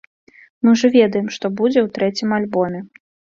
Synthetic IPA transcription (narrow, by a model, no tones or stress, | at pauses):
mɨʐɐvʲɛd̪ɐjɛmʂt̪ɔbud͡zʲɛwt̪ɾɛt͡sʲimalʲbɔmʲɛ